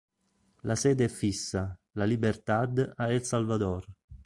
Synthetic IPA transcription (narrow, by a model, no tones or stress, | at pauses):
lasɛːd̪eɛfːisːalalibert̪ad̪ailsalvad̪ɔr